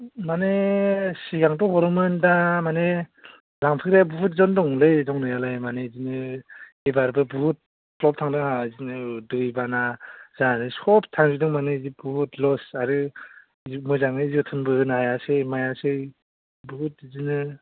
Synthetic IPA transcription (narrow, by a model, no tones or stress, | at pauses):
manesiɡaŋtɔhɔɾɯmɯndamane | laŋpʰɯkɾjabuɦut̚zɔndɔŋlɯjdɔŋnɯjalajmanezinɯ | ebaɾbɯbuɦut̚ | plɔp̚tʰaŋdɯŋazinɯdɯjbanaz̥anɯsɔp̚ʰtʰaŋzidɯŋmanɯizibuhutlɔsaɾɯ | zimɔjzaŋɯizutʰɯnbɯɯnaɦajasɯjmajasɯj | buɦut̚izinɯ